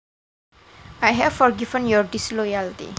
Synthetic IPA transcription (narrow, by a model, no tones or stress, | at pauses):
ajɦɛvfɔɾɡivə̃njɔɾɖislɔjaltḭ